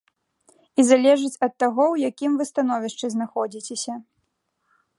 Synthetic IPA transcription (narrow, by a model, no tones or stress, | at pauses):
izalʲɛʐɨt͡sʲɐt̪ːaɣɔwjakʲimvɨst̪an̪ɔvʲiʂt͡ʂɨznaxɔd͡zʲit͡sʲesʲɐ